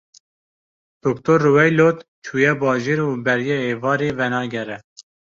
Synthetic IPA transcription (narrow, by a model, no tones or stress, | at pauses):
d̪̥okt̪oɾːuwɛjloːt̪ | t͡ʃʰuːjɛbɑːʒeːɾubɛɾjɛeːvɑːɾeːvɛnɑːɡɛɾɛ